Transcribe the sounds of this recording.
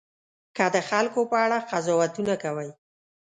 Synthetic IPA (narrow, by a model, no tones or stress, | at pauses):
kad̪əxalkopəaɽaqazɔwat̪unakawəj